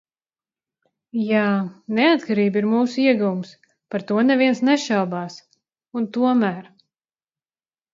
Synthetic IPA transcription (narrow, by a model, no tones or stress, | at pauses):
jaːnɛat̪kaɾiːbiɾmuːsuiɛɡuvums | paɾt̪uɔnɛvʲiɛnsnɛʃawbaːs | unt̪uɔmæːɾ